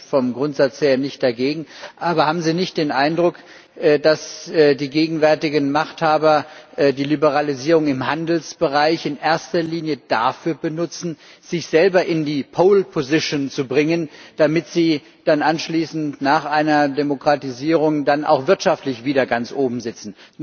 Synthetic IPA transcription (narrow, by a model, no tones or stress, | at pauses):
fɔmɡʁʊntz̥at͡sheːɐnɪçt̚d̥aɡeːɡŋ̩ʔaːbɐhaːbm̩ziːnɪçt̚d̥eːnʔaɪndʁʊk | ʔdasdiːɡeːɡŋ̩vɛɐtɪɡənmaχthaːbɐʔdiːlibəʁaliziːʁʊŋɪmɦandl̩sb̥əʁaɪçɪnʔeːɐstɐliːnjəd̥afyːɐbənʊt͡sn̩ | z̥ɪçz̥ɛlbɐʔɪndiːpʰoːlpʰozɪʃont͡subʁɪŋənd̥amɪtz̥iː | d̥anʔanʃliːsn̩tnaːχʔaɪnɐdemokʁ̥atiziːʁʊŋdanʔa̰ʊxv̥ɪɐtʃaftlɪçv̥iːdɐɡant͡sʔoːbm̩zɪt͡sn̩